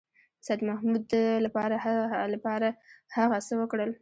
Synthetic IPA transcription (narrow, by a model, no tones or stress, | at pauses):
sad̪mahmud̪əlapɑɾahalapɑɾahaɣasəwəkɽəl